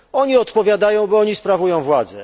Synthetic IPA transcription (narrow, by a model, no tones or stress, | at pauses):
ɔɲiɔt̪pɔvʲjad̪ajɔ̃w̃bɔɔɲispɾavujɔ̃w̃vwad̪zɛ